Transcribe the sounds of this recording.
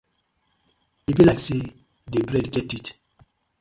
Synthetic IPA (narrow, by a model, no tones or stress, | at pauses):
ibilakse | debɹɛdɡɛtit